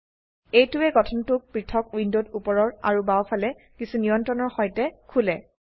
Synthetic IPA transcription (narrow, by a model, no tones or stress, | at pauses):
ejtʊɛɡɔtʰɔntʊk̚pɹitʰɔkwindodupɔɹɔɹa̰ɹubawpʰalɛ | kisunijɔntɹɔnɔɹxɔjtɛkʰulɛ